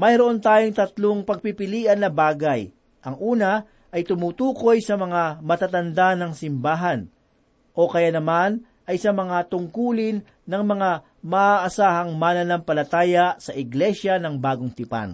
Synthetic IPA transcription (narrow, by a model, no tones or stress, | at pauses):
mɐjɾoʔo̞nt̪aːjoŋt̪ɐt̪loŋpɐɡ̚pipɪliːʔɐnːɐbaːɡɐj | ʔɐŋʔuːnɐ | ʔɐjt̪ʊmuːt̪uːko̞jsɐmɐŋamɐt̪at̪ɐnd̪anɐŋsɪmbaːɦɐn | ʔo̞kɐjanɐman | ʔɐjsɐmɐŋat̪ʊŋkuːlɪnːɐŋmɐŋa | mɐaʔɐsaːhɐŋmanɐnɐmpɐlɐt̪aːjɐsɐʔɪɡlɛʃɐnɐŋbaːɡoŋt̪ɪpa̰n